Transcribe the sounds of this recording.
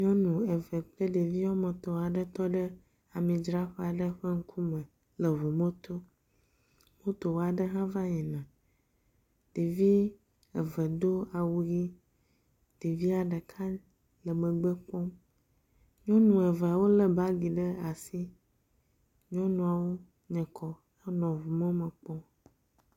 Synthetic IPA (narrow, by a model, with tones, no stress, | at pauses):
ɲɔ̃˦nũ˨ɛ˨vɛ˨k͡ple˦ɖe˨vi˦o˦mɛ̃˨t̪ɔ˨a˨ɖə˦t̪ɔ˦ɖə˦ | a˨mĩ˨d͡ʒɾa˦ɸɛ˦a˨ɖə˦ɸə˦ŋ̩˦kʰu˦mɛ̃˨ | lə˨vo˨mẽ˦t̪o˦ | wo˦t̪o˨wo˦a˨ɖə˦ɦã˦va˦ɲɛ̃˨nã˨ | ɖ̥i˨vi˦ | ɛ˨və˨d̪o˦a˨wu˦ɣi˦ | ɖ̥i˨vi˦a˨ɖə˨kʰa˦ | lə˨mə̃˨ɡ͡bə˦k͡pɔ˦m | ɲɔ̃˦nũ˨ɛ˨və˨a˨wo˦lə˨ba˦ɡi˨ɖə˦a˨si˦ | ɲɔ̃˦nũ˨a˨wo˦ | ɲɛ̃˨kʰɔ˦ | e˦nɔ̃˨vu˨mɛ̃˦mə̃˨k͡pɔ˦